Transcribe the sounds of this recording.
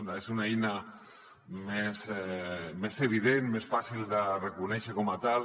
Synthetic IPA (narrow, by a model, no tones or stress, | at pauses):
nesunaejna | mesɛmeseβ̞iðenmesfasilˠd̪ərekunɛʃəkɔmat̪al